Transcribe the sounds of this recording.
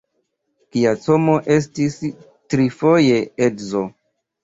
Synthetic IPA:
kiat͡somo̞ʔe̞s̬tis | tɾifo̞je̞edzo

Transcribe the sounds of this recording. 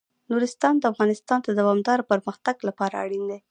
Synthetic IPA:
nuɾɪst̪ɑnd̪əafɣɑnɪst̪ɑnd̪əd̪awɑmd̪ɑɾopəɾməxt̪aɡlapɑɾa̰a̰ɽind̪e

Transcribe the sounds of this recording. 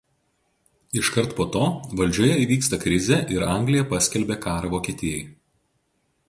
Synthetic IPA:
ɪʃkɐɾˑt̪poːt̪oːʋɐlʲd͡ʒʲuːjɛiːʋʲiːkst̪ɐkɾʲɪzʲeːˑʔɪɾɐˑŋʲɡlʲɪjɛpɐsʲkʲɛlʲbʲeːkɑːɾɐʋoːkʲiɛt̪ʲɪjɛɪ

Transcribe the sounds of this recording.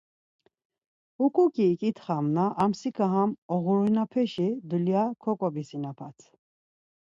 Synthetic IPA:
ukʼukʼiːkʼit̪ʰχamnaʔamsikʰaɦamɔɣuɾinapʰɛʃid̪uljakʰɔkʼɔbisinapʰat̪ʰ

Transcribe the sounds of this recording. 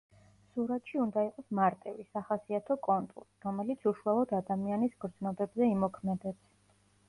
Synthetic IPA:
suɾat̪ʃiund̪aiqʼɔsmaɾt̪ʼɛvisaχasiat̪ʰɔkʼɔnt̪ʼṵɾɾɔmɛlit̪sʰuʃualˠɔd̪ad̪amianisɡɾd̪znɔbɛbzɛimɔkʰmɛd̪ɛs

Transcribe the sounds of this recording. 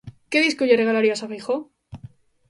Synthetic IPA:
keðiskoʝereɣalaɾiasafejxo

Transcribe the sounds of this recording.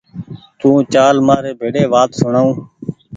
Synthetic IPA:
t̪ũːt͡ʃaːlmaːɾeːbʱeːɽeːʋaːt̪sʊɳaːũː

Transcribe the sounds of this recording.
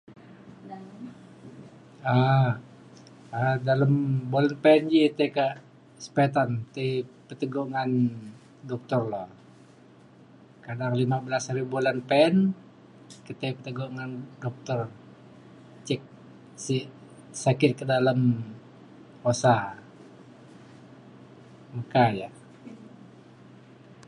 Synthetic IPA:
a | adaləmbolanpɛnd͡ʒit̪akaʔ | sə̥pet̪ant̪ajpət̪əɡɔŋan | dɔk̚t̪ɔrlɔh | kadaŋlimabəlasaɾibulanpɛɛn | kət̪ajpət̪əɡoŋandɔk̚t̪ɔr | t͡ʃɛk̚ | si | sakɪt̪̚kədalam | osa | məkaja

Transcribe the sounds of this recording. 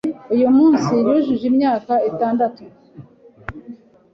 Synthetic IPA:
ujumuːnsiɾuʒuʒimɲaːkaitaːndatu

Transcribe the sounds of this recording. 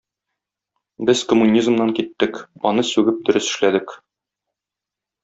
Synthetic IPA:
bɘzkŏmunʲizmnɑŋkit̪ːɘkɒ̰nɤsʉɡɘp̚d̪ɵ̆ɾɘsɘ̆ʃlæd̪ɘk

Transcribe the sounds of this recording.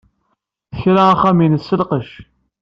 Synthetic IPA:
θəçɾaæχæminəsːəlqəʃ

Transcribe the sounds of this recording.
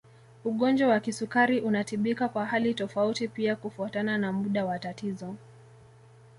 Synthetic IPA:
uɠɔnd͡ʒwawakisukaɾiʔunatiɓikakwaɦalitɔfautipiakufuatananamuɗawatatizɔ

